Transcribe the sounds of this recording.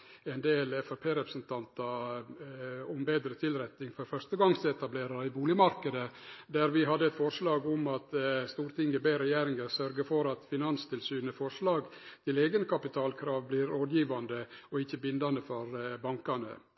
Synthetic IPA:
ɛnd̪eːlɛfɛpʰeːɾɛpɾəsnt̪ʰɑnt̪ɑ | ʊmbeːd̪ɾət̪ʰɪlɾɛt̪nɪŋfɔɾfœɾʂt̪əɡɑŋsɛt̪ɑbleːɾɑɾɪbuːlɪəmɑɾkəd̪əd̪æɾʋɪɦɑd̪ːəɛt̪fɔɾʂlɑːɡʊmɑt̪st̪uːɾt̪ʰɪŋɡəbeːɾɛjeːɾɪŋəɾsœɾɡəfɔɾɑt̪fɪnɑnst̪ʰɪlsyːnəfɔɾʂlɑːɡt̪ʰɪleːɡənkʰɑpɪt̪ʰɑːlkʰɾɑːʋbliːɾoːd̪jiːʋɑnd̪əɔɪçːəbɪnd̪ɑnəfɔɾbɑŋkɑnə̰

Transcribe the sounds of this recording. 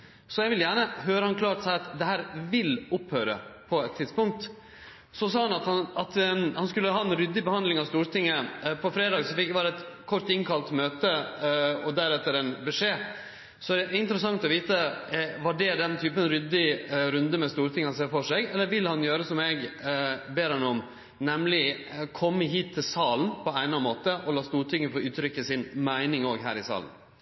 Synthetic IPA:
sɔjɛɡʋɪljæːɳəɦøːɾəhɑnkʰlɑːʈ̪sɑɪɑt̪d̪ɛɦæːɾʋɪlɔphøːɾə̰pʰɔɛt̪ʰːɪd̪spʊŋk̚t̪ | sɔs̬ɑːhɑnɑt̪hɑnɑt̪hɑnskʉlːəɦɑːɛnɾʏd̪ːɪbəhɑnd̪lɪŋɑʋst̪uːɾt̪ɪŋːəpʰɔfɾeːd̪ɑːɡsɔfɪkʋɑːɾəɛt̪kʰɔɾʈ̪ɪŋkʰɑlt̪møːt̪ə | ɔd̪æɾɛt̪ːəɾɛnbɛʂeː | sɔæɖɛɪnt̪ɾəsɑŋt̪ɔʋiːt̪əʋɑɖɛd̪ɛnt̪ʰyːpənɾʏd̪ɪɾʉnd̪əmɛst̪uːɾt̪ʰɪŋːəhɑnseːɾfɔʂɛɡɛlːəɾʋɪlhɑnjøːɾəsɔmɛɡbeːɾɑnɔm | nɛmlɪkʰɔmːəɦiːt̪ʰːɪlsɑːlnpʰɔæɪnɑnmoːt̪əʔɔlɑːst̪uːɾʈ̪ʰɪŋːəfoːʉːt̪ʰɾʏkːəsɪnmæɪnɪŋoːɡɦæ̰ːɾɪsɑ̰ːln̩

